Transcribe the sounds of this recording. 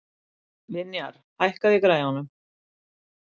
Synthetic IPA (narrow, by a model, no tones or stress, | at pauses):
lɪnja̰ɾ̥hajhkaðjɛkɾaːjhɔnːʏm